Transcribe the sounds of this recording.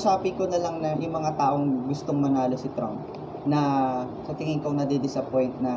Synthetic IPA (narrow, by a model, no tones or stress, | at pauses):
saːpɪkonɐlɐŋnɐjʊŋmɐŋat̪aːʔo̞ŋɡʊst̪oŋmɐnaːlosɪt̪ɾa̰mp | nɐ | sɐt̪ɪŋɪŋkonɐd̪id̪ɪsɐpo̞jnt̪̚nɐ